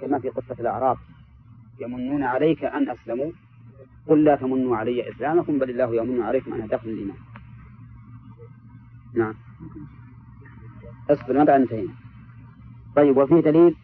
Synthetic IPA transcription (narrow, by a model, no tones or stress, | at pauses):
kɪmafiːqʊt̪ˤːɑlʔa̰ʕɾˤɑːb̚ | jamʊnːuːnaʕalajkaʔanʔaslamu | kʊlːaːt̪amʊnːuʕalajːaʔɪslaːmakʊmbalɪlːaːhjaʔmʊnːuʕalajkʊmʔa̰nhad̪axʊlalʔɪmaːn | naʕam | ʔɨsˤbɪlmad̪ʕanːt̪ajn | t̪ˤɑjːɪbwafiːhd̪aliːl